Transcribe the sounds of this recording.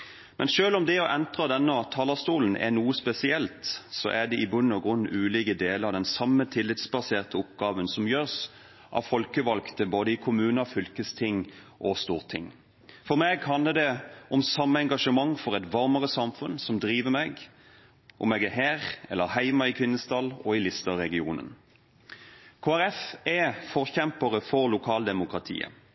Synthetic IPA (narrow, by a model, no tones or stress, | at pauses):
mʔɛnʃøːlɔmd̪ɛɔʔɛnt̪ʁɑd̪ɛnːəɔt̪ʰɑːlɑst̪uːln̩ʔɛ̰nuːəspɛsɪɛlt̪sɔ̰ʔæd̪ɛʔɪbʉnːɔɡʁʉnːʉːliːɡəd̪eːləɑd̪ɛnsɑmːət̪ʰɪlːɪt̪sbɑseːʁt̪əʊpɡ̥ɑːʋənsɔmjøːʁs | ʔɑ̰ʋfɔlkəʋɑlkt̪əboːd̪əɪkʰʊmʉːnəfʏlkəst̪ʰɪŋː | ʔɔst̪uːʁt̪ʰɪ̰ŋ | fɔʁmeːɡhɑnləd̪ɛɔmsɑmːəɛŋɡɑʂəmɑŋːfɔʁɛt̪ʋɑʁməʁəsɑmfʉnsɔmd̪ɾiːʋəmɛɡ | ʔɔ̰mɛɡæɦæːʁɛ̰lːəʁhæɪmɑɪkʰʋɪnːəst̪ʰɑlɔɪlɪst̪ɑʁɛɡɪuːnə̰n | kʰoːæɾɛfɛfɔʁçɛmpəʁəfɔʁlʊkʰɑːld̪ɛmʊkʁɑt̪ʰḭːə̰